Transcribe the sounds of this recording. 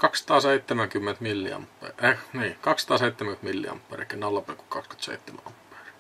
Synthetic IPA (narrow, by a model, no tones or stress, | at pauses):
kɑkssɑ̥t̪ɑːseit̪ːemæŋkymːent̪milːḭɑ̰mpːḛˑʔeniːkɑksɑt̪ɑːseˑit̪ːemæt̪milːḭɑ̰mpːɑ̰ːrʔḭkːenːɑlːɑpeku̥kkɑkskyt̪sḛit̪ːemæ̰ʔɑmpːɑ̥ri